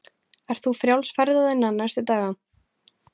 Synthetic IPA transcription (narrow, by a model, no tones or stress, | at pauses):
ɛɾ̥t̪θufɾjawlsfaɾðaðɛnːanːajst̪ʏt̪aːɣa